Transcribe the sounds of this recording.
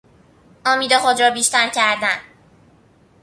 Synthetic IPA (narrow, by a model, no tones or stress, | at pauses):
ɒːmiːd̪exod̪ɾɒːbiːʃt̪æɾcʰæɾd̪æn